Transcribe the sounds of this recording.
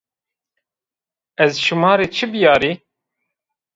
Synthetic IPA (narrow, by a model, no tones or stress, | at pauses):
ɛzʃumɑːɾeːt͡ʃʰɨbjɑːɾiː